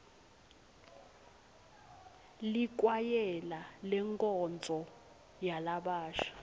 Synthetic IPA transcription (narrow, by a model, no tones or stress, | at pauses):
lik̬ʼwajɛlalɛŋkʼɔnt͡sʼɔ | jalaɓaːʃḁ